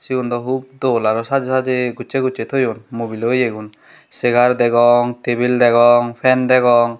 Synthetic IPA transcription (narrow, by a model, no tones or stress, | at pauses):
siɡund̪ɔɦub̚d̪ɔlaɾɔsad͡ʒesad͡ʒeɡut͡ʃeɡut͡ʃet̪ʰɔjunmobilojeɡun | seɡaɾd̪ɛɡɔŋt̪ebild̪ɛɡɔŋpʰɛnd̪ɛɡɔŋ